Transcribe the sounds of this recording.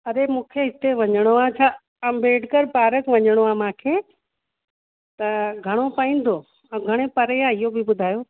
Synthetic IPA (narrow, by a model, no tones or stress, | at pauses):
ɐɗemũːkʰeɦɪt̪eʋɐɲəɽ̃oaːt͡ɕʰaː | ãbeːɖkəɾpaːɾəkʋɐɲəɽ̃oaːmãːkʰeː | t̪ɐɡʱɐɽ̃opaːĩːn̆d̪oː | ɐ̃ɡʱɐɽ̃epɐɾeaːɪɦobɪbʊd̪ʱaːjo